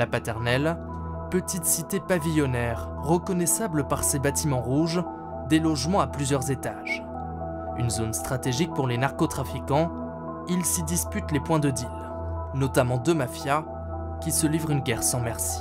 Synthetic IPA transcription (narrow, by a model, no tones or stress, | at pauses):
lapat̪ɛʁnɛl | pət̪it̪sit̪epavijɔnɛʁːəkɔnɛsabləpaʁsebat̪imɑ̃ʁuʒ | d̪elɔʒmɑ̃aplyzjœʁzet̪aʒ̥ | ynzonst̪χat̪eʒik̚puʁlenaʁkɔt̪χafikɑ̃ | ilsid̪ispyt̪lepwɛ̃d̪əd̪il | nɔt̪amɑ̃d̪ømafja | kʲisəlivʁynɡʲɛʁsɑ̃mɛʁsi̥